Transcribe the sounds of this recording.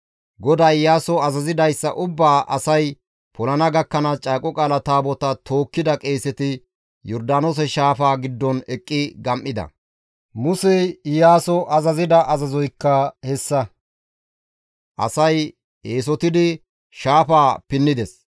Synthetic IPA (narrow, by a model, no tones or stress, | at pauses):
ɡɔd̪ajjaːsɔɐzɐzɪd̪ɐjsːɐ̰ʔʊbːaːʔɐsɐj | pʰɔlɐnɐɡɐkːɐnɐt͡ʃʼaːkʼːɔkʼaːlɐt̪aːbɔt̪ɐt̪ʰo̞ːkːɪd̪ɐkʼe̞ːsɛt̪ɪ | jɔɾd̪aːnoːs̬ɛʃaːfaːɡɪd̪ːɔnɛkʼːɪɡɐmʔːɪd̪ɐ̰ | mʊsɛɪjaːsɔʔɐzɐzɪd̪ɐʔɐzɐzɔjkːɐhɛsːɐ | ʔɐ̰sɐj | eːs̬ɔt̪ɪd̪ɪ | ʃaːfaːpɪnːɪd̪ɛs